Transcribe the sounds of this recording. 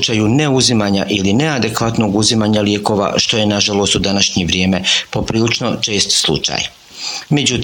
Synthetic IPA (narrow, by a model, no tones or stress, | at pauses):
t͡ʃajuneuzimaɲaʔiline̞ad̪e̞kʋat̪no̞ɡuzimaɲaljeːko̞ːʋa̰ʃt̪o̞je̞naʒalo̞ːst̪ud̪anaʃɲeʋɾje̞ːme̞po̞pɾiːlit͡ʃno̞t͡ʃe̞ːst̪slˠṵt͡ʃa̰j | med͡ʒut̪ː